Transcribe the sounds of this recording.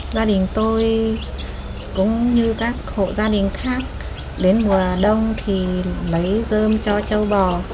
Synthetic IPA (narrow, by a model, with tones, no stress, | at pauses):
zaː˧ɗï˨˩ŋ̟t̪o˧j | kʊ̰˧˥ŋ͡mɲɨ˧kaː˦˥k̚ho̰˧˨zaː˧ɗï˨˩ŋ̟xaː˦˥k̚ | ɗe˨˦nmu˨˩əɗə˧wŋ͡mt̪ʰi˨˩lə˨˦jzəː˧mt͡ɕɔ˧t͡ɕə˧wɓɔ˨˩